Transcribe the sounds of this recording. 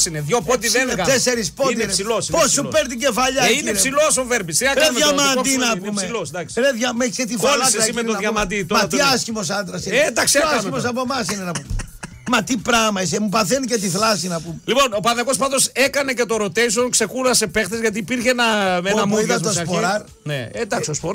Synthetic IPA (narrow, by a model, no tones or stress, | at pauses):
sineðʝopot̪iðeeɐeseɾispot̪ɾesiloposupeɾt̪̬iɟefɐʎɐiepsilosoveɾbisiɐkɾeðmʝɐmɐnd̪inɐpumselosd̪ɐksi̥ɾeðʝɐmeçiset̪ifolɐmeoɐʝɐmɐnd̪it̪mɐt̪iɐscimos̬ɐnd̪ɾɐsineed̪ɐksɐsimos̬ɐpomɐsinenɐpo | mɐt̪ipɾɐmɐis̬emupɐθenicet̪iθlɐsinɐpumelipo̞nopɐnðɐkos̬pɐðosekɐne̞cet̪oɾot̪ejsonkse̞kuɾɐse̞pext̪ezʝɐt̪iːpiɾçenɐenɐmuiðɐt̪ospoɾɐɾ | neend̪ɐksiospo